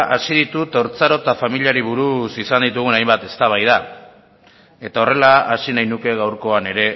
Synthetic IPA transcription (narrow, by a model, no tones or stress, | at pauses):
ʔasið̞it̪ut̪oɾt͡saɾot̪afamiliaɾiβ̞uɾusisand̪it̪̬uɣ̞unajmbat̪e̞st̪aβ̞ajða | e̞t̪ao̞re̞laasinajnuke̞ɣ̞awɾko̞ane̞ɾe̞